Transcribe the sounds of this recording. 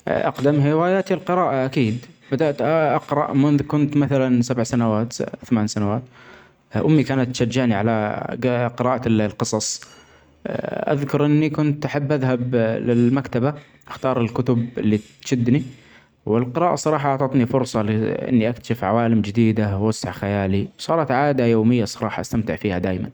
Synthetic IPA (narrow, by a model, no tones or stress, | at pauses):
ʔa̰qd̪amɦɪwaːjaːt̪ilqɨɾɑːʔaʔakiːd̪bɪd̪aʔt̪ʔɑqɾˤɑʔmʊnðkʊnt̪maθalansabʕsanawaːt̪θamaːnsanawaːt̪ | ʔʊmːikaːnat̪ːʃad͡ʒːaʕniʕala̰ | qɨɾaːʔalqɨsˤɑsˤ | ʔa̰ðkʊɾˤʔɪnːikʊnt̪ʔaħabːʔaðɦablɪlmakt̪aba | ʔaxt̪ɑːɾˤɪlkʊt̪ʊbɪlːi | ʃɪd̪ːni | wɪlqɨɾaːʔasˤɑɾˤɑːħɑʔʊʕt̪ˤɑt̪nifʊɾsˤɑlɪʔɪ̰nːiʔakt̪ḁʃɪfʕawaːlɪmd͡ʒɪd̪iːd̪awasːaʕxajaːlisˤɑːɾˤɑt̪ʕaːd̪ajoːmɪjːasˤɑɾˤɑːħɑʔast̪amt̪ɪʕfiːhad̪aːjma̰n